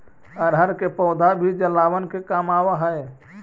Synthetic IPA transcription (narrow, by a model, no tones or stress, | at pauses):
ɔɾɦəɾkepɔʊd̪ʱabʱid͡ʒəlːawənkekamawaɦəe